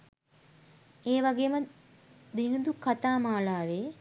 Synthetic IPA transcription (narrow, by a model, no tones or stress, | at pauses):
eːʋaɡeːmə | d̪iŋəd̪ukat̪aːmaːlaːʋeː